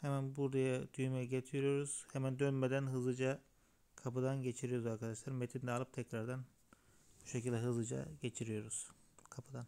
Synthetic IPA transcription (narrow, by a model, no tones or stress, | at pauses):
hemænbuɾd̪ajad̪̥yjymɛɟet̪ʰiɾijo̞ɾuz̥hemænd̪ønmed̪ænɦɯzɯd͡ʒa | kʰapɯd̪anɟe̞t͡ʃʰiɾijo̞ɾuzaɾkʰad̪aʃlˠaɾmet̪ʰind̪ɛːlˠɯp̚t̪ʰɛcɾaɾd̪an | buʃecilʲd̪ʲɛɦɯzɯd͡ʒa̰ɟe̞t͡ʃʰiɾijo̞ɾuz̥kʰapʰɯd̪an